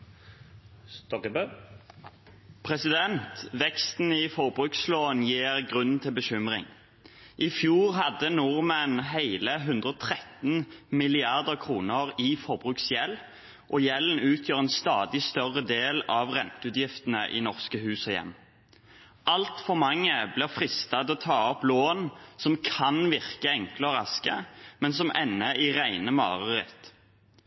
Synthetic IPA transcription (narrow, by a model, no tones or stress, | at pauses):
t̪ɔ | pʰʁɛsɪd̪ɛnt̪ʋɛkst̪n̩ɪfɔʁbʁʉːksloːnjiːʁɡʁʉnn̩t̪ʰɪlbəʃʏmʁɪ̰ŋ | ʔɪfjuːʁɦɑd̪ənʊʁmənɦeɪləɦʉnd̪ʁəɔt̪ʰʁɛt̪n̩mɪlɪɑʁd̪əʁkʰʁuːnəʁɪfɔʁbʁʉːksjɛl | ʔɔjɛln̩ʉːt̪ʰjøːʁɛnst̪ɑːd̪ɪst̪œʁəd̪eːlɑʋʁɛnt̪ʉːt̪jɪft̪ən̩ə̰ʔɪ̰nɔʁskəhʉːsɔjɛ̰mː | ɑlt̪fɔʁmɑŋːəblɪːʁfʁɪst̪ɑt̪ɔt̪ʰɑːɔploːnsɔmkʰɑnʋɪʁkəɛŋkləɔʁɑskəmɛnsɔmʔɛnːəʔɪʁæɪnəmɑ̰ːʁəʁɪ̰t̪